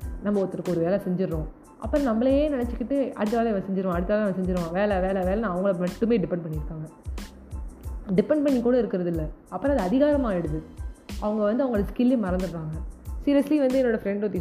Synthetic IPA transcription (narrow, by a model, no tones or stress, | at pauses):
nɐmːɐɔt̪ːɪɾɯkːɔɾɯʋeːlɛsɛɲd͡ʒɪɾːʊ̃ | ʔɐ̰pːɐɾõnɐmbɐɭɐjeːnɪnɛt͡ʃːɯkːɪʈːɯɐ̰ɽɯt̪ːaːlɐɛʋɐ̃sɛɲd͡ʒɪɾɯʋõɐɽɯt̪ːaːlɐɛʋɐ̃sɛɲd͡ʒɪɾʋõʋeːlɛʋeːlɐʋeːlɐnãːɐʋɐŋɡɐɭmɐʈːɯmeːɖɪpɛɳɖ̚pɐɳːɪɾɯkːaːŋɡɐ | ɖɪpːɛɳ̚pɐɳːikːuːɽɐɪɾɯkːɪɾɐðɪlːɐɐpːɐɾõɐðɯɐðɪɣaːɾɐmaːɛɽɯðɯɐʋɐŋɡɐʋɐnd̪ɯɐʋɐŋɡɐɭɐskɪlemɐɾɐnd̪ɯɾɾaːŋɡɐsiːɾjɛsliʋɐnd̪ɯɛnːoːɽɐfɾɛɳɖot̪ːi